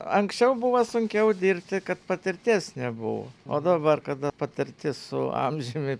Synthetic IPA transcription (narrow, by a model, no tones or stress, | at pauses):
ɐŋksʲt͡ʃʲɛʊbʊʋɐsʊŋʲkʲɛʊd̪ʲiːpʲt̪ʲɪkɐt̪pɐt̪ʲɪrʲt̪ʲiːsnʲɛbʊ̰ʋo̰o̰ːd̪ɐbɐrkɐd̪ɐpɐt̪ʲɪɾʲt̪ʲɪsʊ̰ɐ̰mʲʒʲɪmʲɪ